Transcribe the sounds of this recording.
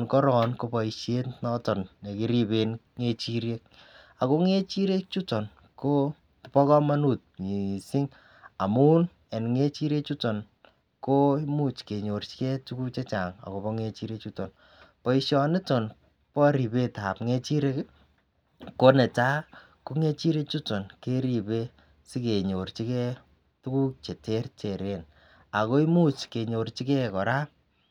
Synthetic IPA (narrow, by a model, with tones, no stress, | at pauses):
nkɔ˦ɾɔ˨nko˧pɔ˨i˨ʃe˦tnɔ˦tɔ˨nne˨ki˦ɾi˦be˨n | ŋe˦t͡ʃi˦ɾje˦k̚a˨ko˦ŋe˦t͡ʃi˦ɾe˦k̚t͡ʃu˦tɔ˨n | ko˦ | pɔ˦kɔ˦ma˦nu˦˨t̚ɲi˨si˦ŋ | a˨mu˦n | ɛ˨nŋe˦t͡ʃi˦ɾe˦t͡ʃu˦tɔ˨n | ko˦imu˦t͡ʃke˨ɲo˨rt͡ʃkɛ˦tu˦ku˦t͡ʃe˦t͡ʃa˨ŋa̰˨ko˨pɔ˦ŋe˧t͡ʃi˦ɾe˦k̚t͡ʃu˦tɔ˨n | pɔ˦i˦ʃɔ˦nɪ˦tɔ˨n | pɔ˦ɾi˨pe˦ta˨pŋe˦t͡ʃi˦ɾe˦ | ko˦ne˨t͡ʃa˦ | ko˦ŋe˦t͡ʃi˦ɾe˦t͡ʃu˦tɔ˨nke˦ɾi˨pe˦ | sɪ˦ke˨ɲo˨rt͡ʃi˦kɛ˦ | tu˦ku˦k̚t͡ʃe˨te˦rt͡ʃe˨ɾe˨n | a˨ko˦i˦mu˦t͡ʃke˨ɲo˨ɾt͡ʃi˦kɛ˦kɔ˨ɾa˦